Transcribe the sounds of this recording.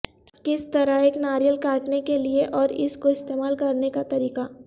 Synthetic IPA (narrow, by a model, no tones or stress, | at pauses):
kɪst̪ɐɾəɦeːknaːɾijəlkaːɾʈnekelieʔɔːɾɪ̰skoɪst̪eːmaːlkɐɾnekat̪ɐɾiːqa